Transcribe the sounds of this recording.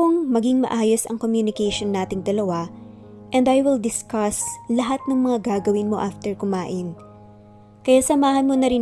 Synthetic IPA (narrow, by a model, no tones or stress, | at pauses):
oŋmɐɡɪŋmɐ̰ʔaːjosɐ̰ŋkomjunɪkɛjʃonːaːt̪ɪŋd̪ɐlɐwa | ʔɛnd̪ɐjwɪld̪ɪskɐslɐɦat̪̚nɐŋmɐŋaɡaːɡɐwɪnmo̞̰ʔaft̪ɛɹkʊmaːʔɪn | kɐjaːsɐmaːhɐnmonɐɾɪ